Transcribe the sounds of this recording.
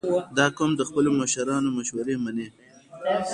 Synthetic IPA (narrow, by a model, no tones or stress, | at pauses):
d̪ɑkomd̪əxpəlomaʃaɾɑnomaʃwaɾemane